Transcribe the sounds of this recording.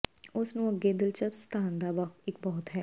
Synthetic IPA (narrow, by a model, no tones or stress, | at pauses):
ʊsnũːəɡːeːd̪ɪlt͡ʃəpst̪ʰaːnd̪aːbaɪkbɔːt̪ɦɛː